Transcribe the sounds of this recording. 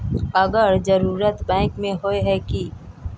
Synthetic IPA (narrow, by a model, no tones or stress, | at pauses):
ɐɡəɾd͡ʒəɾuːɾət̪bɛ̃ːŋkmẽɦoeɦɛki